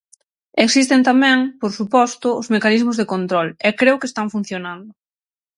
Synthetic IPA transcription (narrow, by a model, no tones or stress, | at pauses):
eksist̪ent̪amɛ̃ŋpoɾsupɔst̪ʊːzmekanizmʊzðekont̪ɾɔlɛkɾewkest̪aɱfun̟θjonand̪ʊ